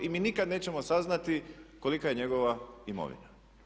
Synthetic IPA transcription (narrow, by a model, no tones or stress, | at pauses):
imiːnikad̪ne̞ːt͡ɕemosaznat̪iko̞likaje̞ɲe̞ɡo̞ʋaimo̞̰ʋḭna